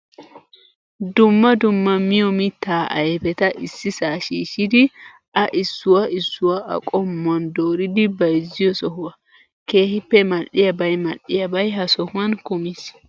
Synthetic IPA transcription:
d̪ʊmːɐd̪ʊmːɐmːɪjɔmɪt̪ːaːʔɐ̰jɛbɛt̪ɐʔɪsːɪsaːʃiːʃɪd̪ɪ | ɐʔɪsːʊwɐɪsːʊwɐʔɐ̰kʼɔmːɐnd̪oːɾɪd̪ɪbɐjzɪjɔsɔhʊɐ | keːhɪpːɛmɐʔɪjɐbɐjmɐᶑɪjɐbɐjɦɐsɔhʊɐnkʊmɪs

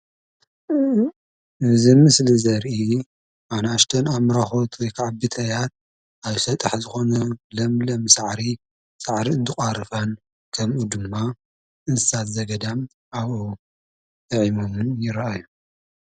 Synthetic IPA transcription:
ʔɨzimɨslizɐɾʔi | anaʃt̪ʰɐnamɾaxo̞t̪wɔjkʰaʕabɨt̪ʰɐjat̪̚ | aβsɐt̪ʼɨħzɨxo̞nɐlɐmlɐmsaʕɾi | saʕɾiɨnt̪ʰɨxʼaɾɨfan | kʰɐmʔud̪ɨmːa | ʔɨnsɨsat̪zɐɡɐd̪am | aβo | t̪ʼɐʕimomɨnjɪɾɐajːu

